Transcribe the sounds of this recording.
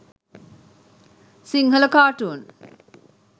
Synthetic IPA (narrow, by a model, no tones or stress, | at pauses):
siŋɦɐlɐkaːʈuːn